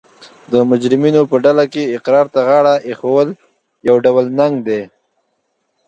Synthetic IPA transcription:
d̪əmʊd͡ʒɾɪminopəɖalakeɪqɾɑɾt̪aɣaɽaʔexawəl | jawɖawəlnaŋɡd̪e

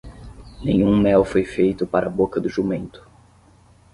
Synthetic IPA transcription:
nẽɲ̃ũmɛwfojfejt̪ʊpaɾʔɐbokɐd̪ʊʒumẽnt̪ʊ̥

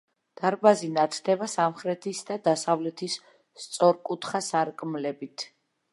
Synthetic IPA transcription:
d̪̥aɾbazinat̪ʰd̪ɛbasamχɾɛt̪ʰisd̪ad̪asavlɛt̪ʰis | t̪sʼɔɾkʼut̪ʰχasaɾkʼmlɛbit̪ʰ

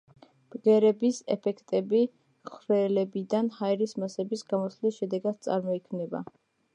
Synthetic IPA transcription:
b̥ɡɛɾɛbisɛ̰pʰɛkʰt̪ʼɛbi | χɾɛlɛbid̪anhaɛɾismasɛbisɡamɔslisʃɛd̪ɛɡad̪̥̚t̪sʼa̰ɾmɔikʰmnɛba̰

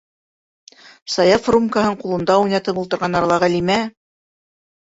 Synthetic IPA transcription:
sɑjɑfrumkaɦɤɴqulˠɤ̆nd̪ɑujnɑt̪ɤpulˠt̪ɤ̆ɾʁɑnɑɾɑlˠɑʁælimæ

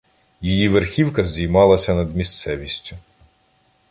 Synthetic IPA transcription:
jijiʋerxʲiwkɐzʲdʲijmɑlˠɐsʲɐnɐd̪mʲist̪sɛʋʲisʲtʲʊ

